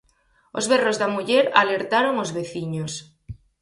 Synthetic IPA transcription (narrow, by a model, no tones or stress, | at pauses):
o̰zβerozðamuʎeɾa̰leɾt̪aɾoŋozβeθiɲos